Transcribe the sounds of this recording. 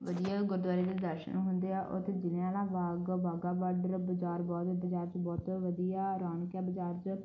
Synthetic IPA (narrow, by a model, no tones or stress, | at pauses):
ʋəd̪ijaːɡʊɾd̪ʊaːɾeːd̪eːd̪əɾʃə̰nɦʊnd̪eːaːʔʊ̰t̪ʰːed͡ʒɪnẽaːlãːʋaːɡbaːɡaːʋaɖəɾbəd͡ʒaːɾbɔːt̪b̪əd͡ʒaːɾt͡ʃbɔːt̪ʋəd̪ijaːɾaːɳkjaːbəd͡ʒaːɾt͡ʃ